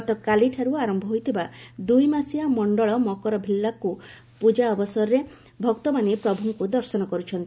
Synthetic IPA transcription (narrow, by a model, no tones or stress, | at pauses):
t̪ɔkaliʈʰaɾuaɾɔmbʱɔɦojt̪ʰibad̪ujmasiamɔɳɖɔɭɔmɔkɔɾɔbʱilːaku | pud͡ʒaɔbɔsɔɾɔɾe | bʱɔkt̪ɔmanepɾɔbʱuŋkud̪ɔɾsɔnɔkɔɾut͡ʃʰɔnt̪i